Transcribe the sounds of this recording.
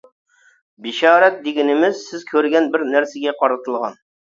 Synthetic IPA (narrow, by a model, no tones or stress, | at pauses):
bɪʃɑːɾɛt̪̚d̪eɡʲinɪmɪzsɪzkʲʰøɾɡʲɛnbɪɾnæɾsɪɡʲɛqʰɑɾɨt̪ʰɨlˠʁɑn